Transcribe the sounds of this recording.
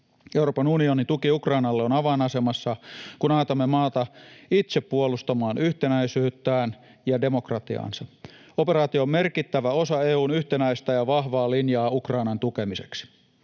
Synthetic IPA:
euwro̞ːpɑnunionint̪ukiukrɑinɑlːeonɑʋɑnɑse̞mɑsːɑkunɑːt̪ɑmːemɑːt̪ɑit̪se̞ppːuolust̪ɑmɑːnyht̪enæisyːt̪ːæːn | jɑde̞mo̞krɑt̪iɑ̰ːnsɑ | o̞pe̞ɾɑːt̪ioːmme̞rkit̪ːæʋæo̞sɑeːuːnyht̪enæist̪æjɑʋɑhʋɑːlinjɑːukrɑinɑnt̪ukemise̥ksi̥

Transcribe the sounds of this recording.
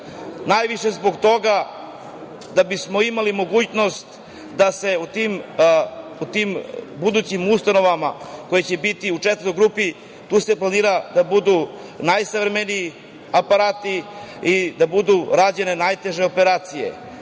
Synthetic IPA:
najʋiʃe̞zbo̞ɡt̪o̞ɡa | d̪abismo̞imalimo̞ɡuːt͡ɕno̞st̪ | d̪ase̞ut̪iːm | ut̪iːmbud̪ut͡ɕimust̪ano̞ʋamako̞jet͡ɕe̞bit̪iut͡ʂet̪əɾojɡɾuːpi | t̪uːse̞planiːɾad̪abud̪u | najsavɾemenii | apaɾaːt̪iid̪abud̪uɾad͡ʑe̞ne̞najt̪e̞ʒe̞o̞pe̞ɾaːt̪sije̞̰

